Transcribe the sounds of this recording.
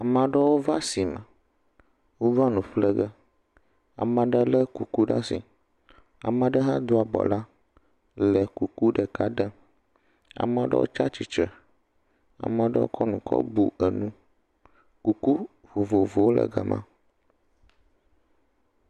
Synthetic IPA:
a˨mã˨ɖə˦wo˦va˦si˨mə̃˨ | wo˦va˦nũ˨ɸlə˦ɡə˦ | a̰˨mə̃˨ɖə˦lə˦ku˨ku˦ɖa̰˦si˨ | a̰˨mə̃˦ɖə˦ɦa˦d̪o˦a˨bɔ̰˨la˦ | lə˨ku˨ku˦ɖə˨ka˦ɖə˦ | a̰˨mə̃˨ɖə̰˦wo̰˦t͡ʃa˦t͡ʃi˨t͡ʃɾə˨ | a̰˨mə̃˨ɖə̰˦wo̰˦kʰɔ˦nũ˨kʰɔ̰˦bu˨ə˨nũ˦ | ku˨ku˦ | vo˨vo˨vo˨wo˦lə̰˨ɡə̰˨mʔã̰˦

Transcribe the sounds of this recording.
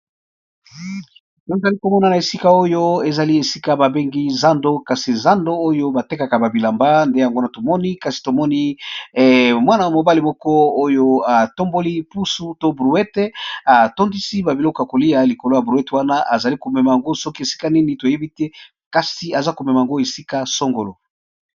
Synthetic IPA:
jo˦e˨za˨li˦ko˨mɔ˦na˨na˨e˨si˦ka˨o˦jo˦e˨za˨li˦e˨si˦ka˦ba˨be˦ŋɡi˦za˦ndo˦ka˨si˨za˦ndo˦o˦jo˦ba˨te˦ka˨ka˨ba˨bi˨la˨mba˦nde˦ja˨ŋɡo˦na˨to˨mɔ˦ni˦ka˨si̥˨to˨mɔ˦ni˦˨ | mwa˦na˨a˨mo˨ba˦li˨mɔ˦kɔ˦o˦jo˦a˨to˦mbo˦li˦pu˦su˦to˦bʁu˨ɛ˦te˦a˨to˦ndi˦si˦ba˨bi˨lɔ˦kɔ˨ja˨ko˨li˦ja˦li˨ko˨lo˦ja˨bʁu˨ɛ˦te˨wa˦na˦ʔa˨za˨li˦ko˨mɛ˨ma˨ja˨ŋɡo˦sɔ˦ki˦e˨si̥˦ka˦ni˦ni˨to˨je˦bi˦tɛ˦ | ka˨si˨a˨za˦ko˨mɛ˨ma˨ja˨ŋɡo˦e˨si˦ka˦so˦ŋɡo˨lo˨

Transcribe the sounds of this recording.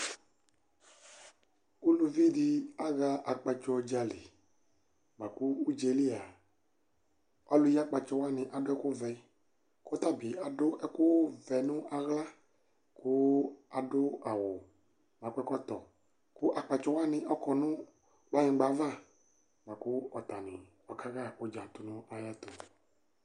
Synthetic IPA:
ku˦lo˧vi˦di˧a˦ɣa˦ʔa˨k͡pa˨t͡ʃɔ˧d͡ʒa˨li˨ | mã˨ku˦u˦d͡ʒe˨li˦a˨ | ɔ˦lʊ˦ja˦k͡pa˨t͡ʃɔ˧wa˦nɪ̃˨ʔa˨dʊ˦ɛ˦kʊ˦vɛ˨˦ | kʊ˦t̪a˦bi˨a˨dʊ˦ʔɛ˦kʊ˦vɛ˨nʊ̃˦ʔa˨ɣla˦ | kʊ˦a˨ɖo˦a˨wo˨ | mã˨kɛ˦kɔ˦t̪ɔ˨ | kʊ˦ʔa˨k͡pa˨t͡ʃɔ˦wa˦nɪ̃˨ʔɔ˦kɔ˨nũ˦ | ɡ͡ba˦ɲĩ˨ɡ͡ba˨˦va˦˨ | ɡ͡ba˨ku˦ɔ˨t̪a˨nɪ̰̃˨ | wɔ˨ka˦ɣa˦o˦d͡ʒã˨t̪u˨nũ˦a˨ja˦t̪o̰˨

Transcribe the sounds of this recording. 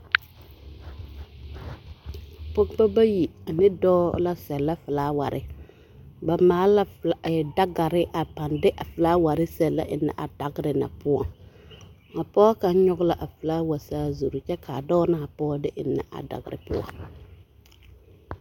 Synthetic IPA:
po˦kba˦ba˦ji˨a˨nɪ˦dɔː˦la˦sɛ˨lːa˦fɪ˨laː˦wa̰˨ɾʔɪ̰˦ | ba˨maː˨˦la˦fɛ˨da˦ɡa˨ɾɪ˦ʔa˨pa˨ndɪ˦ʔa˨fɨ˨laː˦wa˨ɾɪ˦sɛ˨lːa̰˦ʔɪ˨nːa̰˨ʔa˨da˨ɡɪ˦ɾɪ˨na̰˨pʊ˦a˨ŋ | a˨pɔː˦ka˦ɲɔ˦ɡʊ˦la˨ʔa˨fɨ˨laː˦wa˨saː˦zu˨ɾu˨t͡ʃɛ˦kʰa˨dɔː˦na˦˨a˨pɔː˦dɪ˦ʔɪ˨nːa̰˨ʔa̰˨da̰˨ɡɪ˨ɾɪ̰˨pʊ̰˦ɔ̰˨ŋ

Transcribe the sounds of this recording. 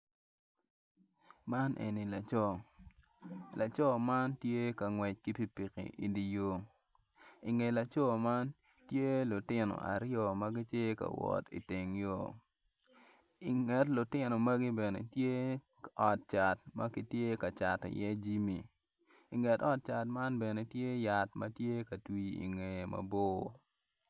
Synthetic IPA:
ma˦nʔḛ˨ni˨la˨t͡ʃɔ˨ | lʔa˨t͡ʃɔ˦ma˦ntje˦kɐ˨ŋwɛ˨t͡ʃki˦pi˨pi˨kḭ˨ʔḭ˨di˨jo˦ŋ | i˨ŋe˨la˨t͡ʃɔ˦ma˦n | tje˦lʊ˨tɪ˦nɔ̰˨a̰˨ɾjɔ˨mɐ˦ɡɪ˦tje˦ka̰˨wɔ̰˨tḭ˨te˨ŋjo˦˨ | i˨ŋɛ˨tlʊ˨tɪ˦no˨mɐ˦ɡi˦bɛ˨nḛ˨tje˦ | ɔ˨t̚t͡ʃa˨tmɐ˦ki˦tje˦ka˨t͡ʃa˨tḭ˨jɛ˦d͡ʒi˦mi˨ | i˨ŋɛ˨tɔ˦t̚t͡ʃa˨tma˦nbɛ˨ne˨tje˦ja˨tmɐ˦tje˦kɐ˨twi˨˦ḭ˨ŋe˨mɐ̰˨bo˦˨

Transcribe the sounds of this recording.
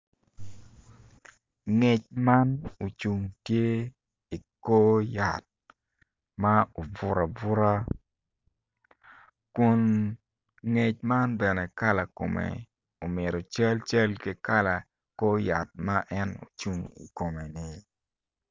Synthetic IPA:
ŋe˨t͡ʃ̚ma˦no˨t͡ʃu˨ŋtje˦ | i˨ko˦ja˨t̚ | ma˦o˨vʊ˦ɾa˨vʊ˦ɾa˦ | kʊ˨n | ŋe˨t͡ʃ̚ma˦nbɛ˨nɛ˨ka˦la˨ko̰˨mḛ˨ | o˨mɪ˨ɾo˨t͡ʃə˦lt͡ʃə˦lke˦ka˦la˨ | ko˦ja˨t̚ma˦ʔɛ˦no̰˨t͡ʃu˦ŋḭ˨ko˨me˨nɪ˨

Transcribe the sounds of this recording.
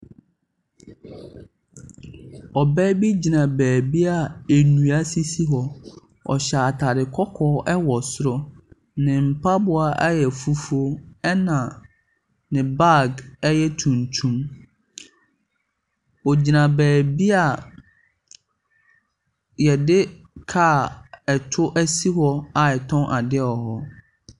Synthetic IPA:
ɔ˨bɛː˦bi˦d͡ʑi˨nã˨bæː˨bi˦a˨e˨nũ˨a˦si˦si˦ɦɔ˨ | ɔ̰˨ɕa˨tʰa˨dɪ˨kʰɔ˦kʰɔː˦ʔɛ˦wɔ˨sʊ˦ɾɔ˦ | nɪ̃˨m̩˨pʰa˦bʊ˨a˦ʔa˦jɛ˨fu˦fu˦o˦ɛ˦nã˨ | nɪ̃˨ba˦˨ɡɛ˦jɛ˦tʰũ˨n˨tʰũ˦m | ɔ˨d͡ʑi˨nã˨bɛː˨bi˦a˨ | jɛ˨dɪ˦ | kʰaː˦˨ɛ˨tʰʊ˦ʔæ˦si˦ɦɔ˦a˨ɛ˨tʰɔ̃˦nʔa˨dɪ˦ɔ˨ɦɔ˦

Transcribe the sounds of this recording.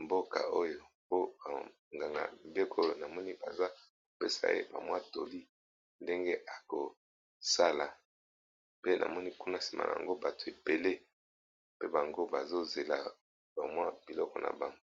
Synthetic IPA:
mbo˦ka̰˨o˦jo˦˨ | po˦˨ | ŋɡa˨ŋɡa̰˨m˨be˦kʰo˦˨na˨mɔ˦ni˦ba̰˨za˦ | ko˨pe˦sa̰˨jḛ˦ba̰˨mwa˦to˨li˦ | nde˦ŋɡe˦ʔa˨ko˨ | sa˦la˨ | pe˦nʔa̰˨mɔ˦ni˦ku˦na˦˨si̥˨mʔa̰˨na̰˨a̰˨ŋɡo˦ba˨to̥˨e˨be˨le˦ | pe˦ba˨ŋɡo˦ba˨zo˦ze˨la̰˨ | ba˨mwa˦b̥i˨lɔ˦kɔ˨nʔa̰˨ba˨ŋɡo˦

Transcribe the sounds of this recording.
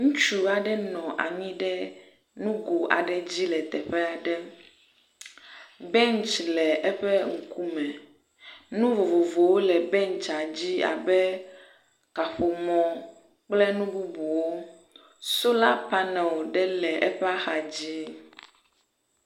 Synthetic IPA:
ŋũ˦t͡ʃu˨a˨ɖɛ˦nɔ̃˨ʔa̰˨mĩ˦ɖɛ˦ | nũ˦ɡo˨a̰˨ɖɛ˨d͡ʑi˦lɛ˨t̪ɛ˨ɸɛ˦a˨ɖɛ˦ | bɛ˦nt͡ʃlɛ˨ʔɛ˦ɸɛ˦ŋ̩˨ku˦mɛ˨ | nũ˦vo˨vo˨vo˨wo˦lɛ˨bɛ˦nt͡ʃa˨d͡ʑi˦a̰˨bɛ˦ | ka˨ɸo˨mɔ̃˨ | k͡plɛ˦nũ˦bu˦bu˨wo˦ | so˦la˦pa˦nɛ̃˨wɖɛ˦lɛ˨ʔɛ˦ɸɛ˦a˦xa˨d͡ʑi˦

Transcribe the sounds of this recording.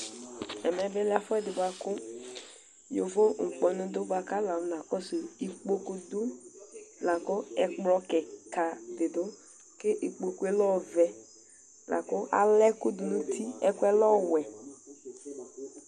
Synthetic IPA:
ɛ˨mɛ˨bɪ˦lɪ˦a˦fɔ˦ɛ˦dɪ˨ba˦kʊ˦ | jo˨vo˦ŋ̩˨k͡pɔ˨nʊ̃˨˦dʊ˦ba˨ka˦la˨wna˨kɔ˦so˨i˨k͡po˦ko˦dʊ˦ | la˨kʊ˦ɛ˨k͡plɔ˦kɛ˨ka˨dɪ˨dʊ˦ | ke˦ʔi˨k͡po˨ku˦ɛ˦lɔ˦˨vɛ˨ | la̰˨kʊ˦a̰˨lɛ˦kʊ˦dʊ˨nũ˦t̪ʰi˦ɛ˦kʊ˦ɛ˦lɔ˦˨wɛ˨

